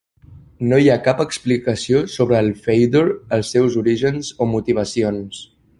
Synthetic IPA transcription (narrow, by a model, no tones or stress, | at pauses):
nojakapəksplikəsiosoβ̞ɾəːlˠfejd̪oɾəlˠsːɛwzuɾiʒənzomut̪iβ̞əsions